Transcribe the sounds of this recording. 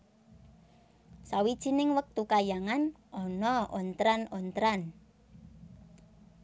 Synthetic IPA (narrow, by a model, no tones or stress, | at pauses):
sawid̥ʒ̥i̤nɪŋwək̚t̪ukajaŋan | ɔnɔʔɔnt̪ɾanɔnt̪ɾan